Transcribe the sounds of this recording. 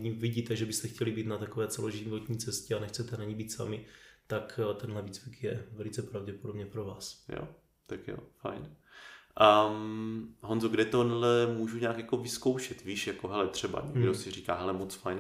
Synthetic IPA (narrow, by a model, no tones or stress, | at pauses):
ɲiviɟiːt̪ɛʒɛbɪst̪ɛxcʰɛlibiːt̪nat̪akovɛːt͡sɛlo̞ʒɪvot̪ɲiːt͡sɛscɛanɛxt͡sɛt̪ɛnaɲibiːt̪sa̰mɪt̪akt̪ɛnɦlɛviːt͡svikjɛvɛlɪt͡sɛpɾavɟɛpodo̞bɲɛpɾovaːsjo̰ | t̪akjo̰fa̰jn | ʔamɦonzoɡdɛt̪onlɛmuːʒuɲaːkjako̞vɪskowʃɛt̪viːʃjakoɦɛlɛt̪r̝̥ɛba̰ɲɛɡdosɪriːkaːɦɛlɛmot͡sfajn